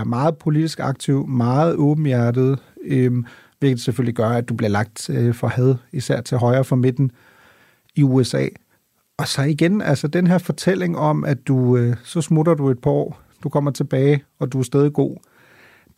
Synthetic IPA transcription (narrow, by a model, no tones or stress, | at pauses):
æɐmɑ̈ːð̞̩ˠpʰo̝lid̥isɡ̥ɑ̈ɡ̥̚t͡sʰiʊmɑ̈ːð̞̩ˠɔ̽ːb̥m̩jæɐd̥ið̞̩ˠøm | ʋe̝ɡ̥əd̥seføl̰liɡ̥ɶɐæd̥ub̥liɐlɑ̈ɡ̥̚d̥fɒhæð̞ˠisæɐ̰t͡sʰe̝lɦɒ̽ɪʁɐːfɒ̽med̥n̩ | iuesɛ̰ː | ɒ̽sɒ̽iɡ̥enælsəd̥enɦe̝ɐfɒ̽t͡sʰel̰e̝ŋɒ̽mʔæ̥usɒ̽smuɾ̥ɐd̥ue̝d̥̚b̥ʰɒ̰ː | d̥ukʰɒ̽m̰ɐt͡sʰe̝b̥ɛːɪɒ̽d̥uæsd̥eːð̞ˠiɡ̥o̝̰ː